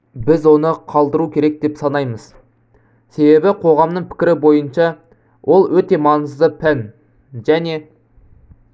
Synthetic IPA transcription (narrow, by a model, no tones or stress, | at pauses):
bɪzwo̞nəqʰɑlˠd̪əɾukʲʰe̞ɾe̞k̚d̪e̞psɑnɑjməz̥ | se̞be̞bɪqʰo̞ʁɑmnəɴpʰɪ̥kʲɪɾɪbo̞jənʃɑ | wʔo̞lˠwɵt̪e̞mɑnəzd̪əpʰæn | ʒæne̞